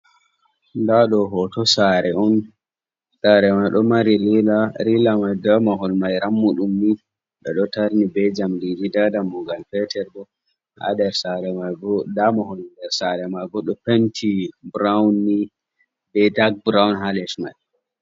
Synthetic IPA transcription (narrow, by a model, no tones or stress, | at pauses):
ndaɗɔɦɔtɔsaɾɛɔn | saɾɛmajɗɔmaɾililaɾilamajdamaɦɔlmajɾamːuɗumːi | ɓɛ̰ɗɔtaɾnibɛd͡ʒamdididadamːɔɡalpɛtʰɛɾɗɔ | ha̰ɗɛɾsaɾɛmajɡɔdamahɔldɛɾsaɾɛmajɡɔɗɔpentʰibɾawnːi | bɛdaɡ̚bɾawnɦalɛʃma̰j